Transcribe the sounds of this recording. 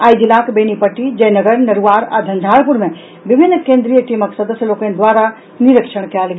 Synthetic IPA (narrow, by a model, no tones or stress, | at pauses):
aːid̪ilãːkbeːnipɐʈid͡ʒɐ̃ɦnɐɡəɾnɐɾuʋaːɾa̰d̪ʱɐ̃nd̪ʱaːɭpʊɾmẽ | ʋɪbʱɪnːkẽːnd̪ɾijəʈiːməksɐd̪əsjəloːkənd̪waːɾa | nɪɾəkʃəɽ̃kjaːlɡ